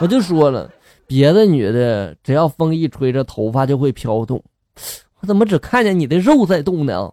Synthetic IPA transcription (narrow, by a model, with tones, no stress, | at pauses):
wɔ˨˩t͡ɕjo˥˩ʊʂwɔ˥lə̰˧˩ | pjɛ˧˥d̪ə˧ny˨˩d̪ə˦ʈ͡ʂɻ̩˨˩jɑ˥˩ʊfɤ˥ŋi˥˩ʈ͡ʂʰwe˧˥ɪʈ͡ʂə˥˧t̪ʰo˧˥ʊfa˧˥t͡ɕjo˥˧ʊxwe˥˩ɪpʰjɑ˥ʊt̪ʊ̰˥˩ŋ | wɔ˧˩t͡sə˨˩mə˦ʈ͡ʂɻ̩˨˩kʰa˥˩nt͡ɕjɛ˥˩ni˨˩d̪ə˦ɻo˥˧ʊt͡sa˥˧ɪt̪ʊ˥˩ŋd̪ə̰˩ɐ̰˨˩